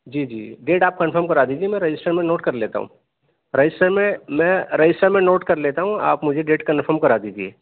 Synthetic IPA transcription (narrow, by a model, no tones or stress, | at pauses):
d͡ʒiːd͡ʒḭːɖeːʈaːp̚kɐ̃nfʰəɾmkɐɾaːd̪iːd͡ʒiemɛ̃ɾɐd͡ʒɪsʈəɾmẽnoːʈkɐɾleːt̪a̰ɦṵ̃ | ɾɐd͡ʒɪsʈəɾmẽmɛ̃ːɾɐd͡ʒɪsʈəɾmẽnoːʈkɐɾleːt̪aɦũa̰ːpmʊd͡ʒʱeɖeːʈkɐnfʰəɾmkɐɾaːd̪iːd͡ʒiḛː